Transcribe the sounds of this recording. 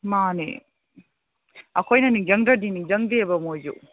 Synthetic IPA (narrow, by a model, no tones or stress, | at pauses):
manḛ | ɐkʰojnɐniŋd͡ʒɐŋdɾɐdiniŋd͡ʒɐŋdebɐmojd͡ʒṵ